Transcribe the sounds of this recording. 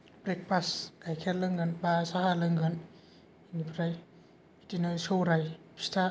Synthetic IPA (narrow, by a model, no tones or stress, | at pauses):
bɾek̚paskajkʰelɯŋɡɯnbasaɦalɯŋɡɯn | inipʰɾaj | pʰitinɯsowɾajpʰi̥stʰa